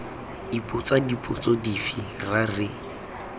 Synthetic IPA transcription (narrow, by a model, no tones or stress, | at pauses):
ipʼʊt͡sadipʼʊt͡sɔdifirarɪ